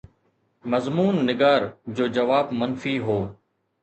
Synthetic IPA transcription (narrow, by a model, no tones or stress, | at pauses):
mɐzmuːnːɪɡaːɾd͡ʑoːd͡ʑɐʋaːbmɐnfiɦoː